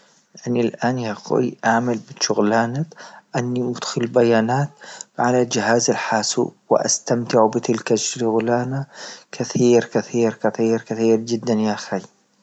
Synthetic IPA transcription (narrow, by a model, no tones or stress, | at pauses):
ʔanilʔaːnjaxo̰jʔaʕmɪlbɪʃʊɣlaːnakʔanːimʊd̪xʊlbajaːnaːt̪̚ʕalald͡ʒɪɦaːzalħaːsṵwɪ̰ʔa̰st̪amt̪ɪʕubɪt̪ɪlkaʃɣlaːnakʰɪθiːɾkɪθiːɾkaθˤiːɾkɪθiːɾd͡ʒɪd̪ːanjaxaj